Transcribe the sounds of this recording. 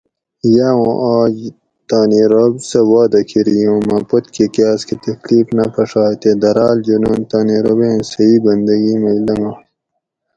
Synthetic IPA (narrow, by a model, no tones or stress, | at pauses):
jaːwõːʔaːd͡ʑ | t̪aːniɾɐbsɐwaːd̪ɐkʰiɾijõːmɐpot̪kikaːskit̪ɐkliːfnɐpɐʂaːt̪ed̪ɐɾaːld͡ʒunont̪aːniɾobẽːnsɐiːbɐnd̪ɐɡimɐilɐmɐ